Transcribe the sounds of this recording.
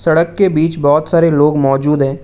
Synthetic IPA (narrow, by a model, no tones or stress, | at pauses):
sɐɽəkːebiːt͡ʃbɔːt̪saːɾeloːɡmɔːd͡ʒuːd̪ɦɛ̃ː